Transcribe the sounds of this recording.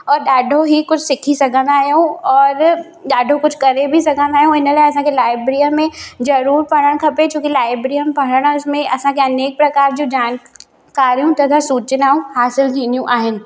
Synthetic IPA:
ɔːɾɖaːɖʱoɦikʊt͡ʃʰsɪkʰisɐɡənaːjɦõɔːɾ | ɖaːɖʱokʊt͡ʃʰkɐɾebʱisɐɡənaːjɦõɪnəlɐsãkelaːɪbɾijamːẽd͡ʒɐɾuːɾpɐɽəɽ̃kʰɐpẽt͡ʃjũːkilaːɪbɾiəmpɐɽ̃əɽ̃ʊsmẽɐsãkeɐneːk̚pɾɐkaːɾd͡ʒoːd͡ʒaːn | kaːɾijũt̪ɐt̪ʰasuːt͡ʃnaːɦũɦaːsɪlkiːnijũʔaːɦɪn

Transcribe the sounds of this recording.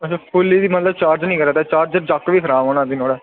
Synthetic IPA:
ət͡ʃʰaːpʰʊlːiːd̪iːmət̪ləb̚t͡ʃaːɾd͡ʒnĩːkəɾɛːt̪ɛːt͡ʃaːɾd͡ʒəd͡ʒaːkʋiːkʰəɾaːmoːnãːd̪iːnoːɽɛː

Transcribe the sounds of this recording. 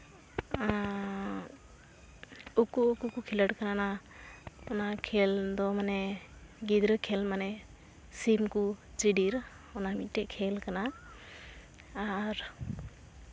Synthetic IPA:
ukuːkukukʰiləɽkanana | ɔnakʰɛld̪ɔmanɛɡid̪ɾəkʰɛlmanɛ | simkut͡ʃiɖiɾ | ɔnamit̪̚ʈɛʔkʰɛlkana | ɾ

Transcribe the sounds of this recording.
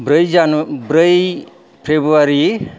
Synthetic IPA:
bɾəjzanubɾəj | pʰebɾuaɾi

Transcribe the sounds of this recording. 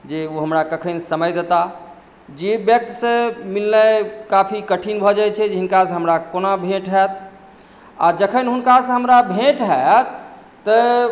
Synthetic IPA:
d͡ʒeoɦəmɾakəkʰənsəməjd̪et̪a | d͡ʒebjək̚t̪sə̃milnəkapʰikəʈʰinbʱɔd͡ʒajt͡ʃʰɛd͡ʒɦinkasə̃ɦəmɾakonabʱẽʈɦɛt̪̚ | ad͡ʒəkʰənɦunkasə̃ɦəmɾabʱẽʈɦat̪ː | ə

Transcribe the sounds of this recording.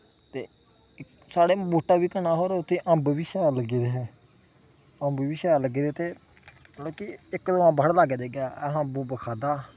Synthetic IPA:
t̪eː | ɪ | saːɽeːboːʈaːʋiːkənaːɦoːɾeʊt̪ʰːẽːʔə̃mbʋiːʃaːləɡiːd̪eːɦɛː | ə̃mbʋiːʃaːləɡiːd̪eːt̪eː | loːkiɪkd̪oãːbʱəɽlaːɡed̪eːɡaːɛ̰ːɦãbuːbəkʰaːd̪aː

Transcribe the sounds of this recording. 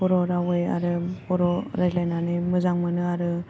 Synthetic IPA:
ɔɾɔɾawɯja̰ɾɯpɔɾɔɾajlajnanɯmɯzaŋmɯnɯaɾɯ

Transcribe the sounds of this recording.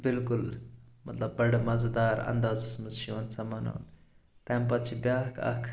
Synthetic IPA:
bɪlkʊlmɐt̪lɐbːɐɽmɐzd̪aːɾɐ̰nd̪aːzsmɨsʃiʋɐnsɐmɐna̰ːnt̪ɐmpɐt̪t͡ʃʰibjaːkʰɐ̰kʰ

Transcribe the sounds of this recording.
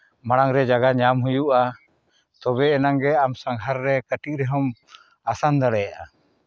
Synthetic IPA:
maɽaŋɾɛd͡ʒaɡaɲamɦujuʔa | t̪ɔbɛːnaŋɡɛamsaŋɦaɾːɛkəʈik̚ɾɛɦɔm | asand̪aɽɛjaʔa̰

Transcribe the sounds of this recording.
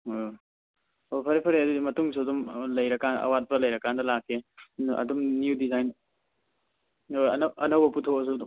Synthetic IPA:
opʰɐɾepʰɐɾeɐdudimɐtuŋsuɐdumlɐjɾɐkanɐ̰wat̚pɐlɐjɾɐkandɐlakʰːeɐ̰dumniudizajn | oɐ̰nʔɐnɐwbɐputʰokɐs̬udu

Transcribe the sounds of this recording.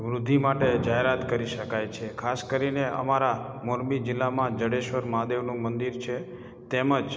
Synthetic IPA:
ʋɾʊd̪ʱːimaʈed͡ʒaɦeɾat̪kəɾiʃəkajt͡ʃʰekʰaskəɾineʔə̰maɾamoɾbid͡ʒɪlːamãd͡ʒəɽeʃʋəɾmad̪eʋnũmənd̪iɾt͡ʃʰe | t̪eməd͡ʒ

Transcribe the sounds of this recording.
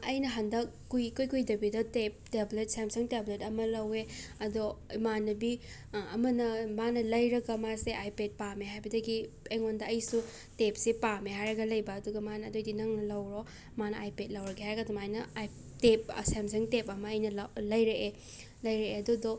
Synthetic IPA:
ɐ̰jnɐɦɐndɐk̚ːujkujkujdɐbidɐtep̚teblet̚semsɐŋtebletɐmɐlɐweɐdoimanɐbi | ɐ̰mɐnɐmanɐlɐjɾɐɡɐmaseʔajped̚pameɦajbɐdɐɡi | ejŋondɐɐjsu | tep̚sepameɦajɾɐɡɐlɐjbɐːduɡɐmanɐːdojdinɐŋnɐlɐwɾo | manɐajpet̚lɐwɾɐɡeɦajɾɐɡɐdɔmajnɐ | tep̚samsɐŋtepɐmɐɐjnɐllɐjɾeʔe | lɐjɾeeɐdodo

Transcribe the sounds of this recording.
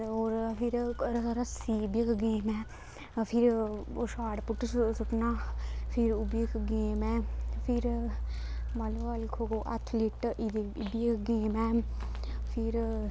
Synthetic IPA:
oːɾpʰiɾɾɾɐsibikɡeːmɛː | pʰiɾoʃaːɽpuʈsʊʈnaːpʰiɾubikɡeːmɛːpʰiɾ | mɐlʋalkʰokoʔɐ̰t̪ʰliʈʔid̪i | bikɡeːmɛː | pʰiɾ

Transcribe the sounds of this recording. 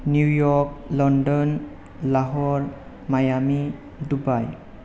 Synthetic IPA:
njujɔk̚lɔndɔn | laɦɔɾ | majami | dubaj

